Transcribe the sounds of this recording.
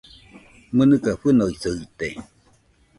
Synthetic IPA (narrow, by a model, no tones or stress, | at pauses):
mɨnɨkaɸɨnoisɯit̪e